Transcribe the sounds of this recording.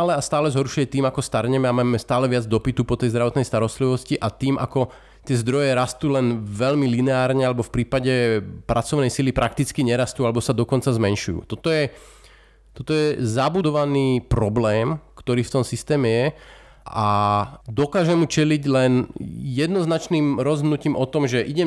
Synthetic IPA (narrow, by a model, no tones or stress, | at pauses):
alɛast̪aːlɛzɦɔɾʃujɛt̪iːmakɔst̪aɾɲɛmɛamaːmɛst̪aːlɛʋɪad͡zd̪ɔpit̪upɔt̪ɛjzd̪ɾaʋɔt̪nɛjst̪aɾɔst̪liʋɔsciʔat̪iːmʔa̰kɔ | t̪ɪɛzd̪ɾɔjɛɾast̪uːlɛnʋɛʎmilinɛaːɾɲɛalɛbɔfpɾiːpaɟɛpɾʔat͡sɔʋnɛjsilipɾʔak̚t̪it͡skiɲɛɾast̪ualɛbɔsad̪ɔkɔnt͡sazmɛnʃujṵːt̪ɔt̪ɔjɛ | t̪ɔt̪ɔjɛzabud̪ɔʋaniːpɾɔblɛːmkt̪ɔɾiːft̪ɔmsist̪ɛːmɛjɛ | ʔad̪ɔkaːʒɛmːut͡ʃɛliɟlɛnjɛd̪nɔznat͡ʃniːmɾɔzɦ̪nuciːmʔɔt̪ɔmʒɛʔiɟɛm